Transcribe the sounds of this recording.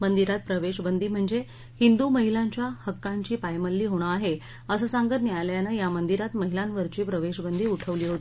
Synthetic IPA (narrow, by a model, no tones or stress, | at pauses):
mənd̪iɾat̪̚pɾəʋeɕbənd̪iːm̤əɳd͡ze | hind̪uməɦilaɲt͡ɕjahəkːaɲt͡ɕiːpajməlːiːɦoɽ̃əaɦe | əsəːsaŋɡət̪njajljanəjamənd̪iɾat̪məɦilanʋəɾt͡ɕiːpɾəʋeɕbənd̪iːuʈʰəʋliːɦot̪ii